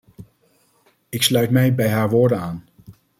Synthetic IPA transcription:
ɪkslœɥtmɛjbɛjɦaːɹʋʊːɹdənaːn

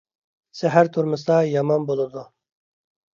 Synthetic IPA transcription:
sɛɦæɾt̪ʰuɾmɨst̪ɑjɑmɑnbolˠɨd̪u

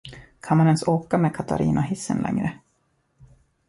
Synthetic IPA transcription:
kʰanmanɛnsoːkameːkʰat̪ʰa̰ɾʔḭːnʔaɦɪsːə̰nlʔɛ̰ŋɾə

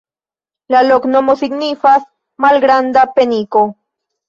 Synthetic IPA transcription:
laloknomosiɡnifas | malɡɾand̪apeniko

